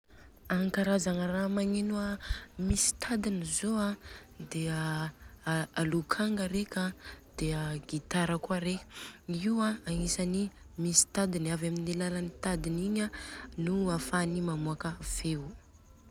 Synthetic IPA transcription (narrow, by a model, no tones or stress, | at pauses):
aŋkaɾazaŋəramaɲenuamisi̥t̪ʰad̪inizoad̪eə | alukʰaŋɡəɾekʲad̪̥eaɡit̪aɾəkaɾekʲə̥iwaaŋisani | misi̥t̪ad̪inavaminilalanit̪ad̪iniɲanuafanimamuakəv̥ew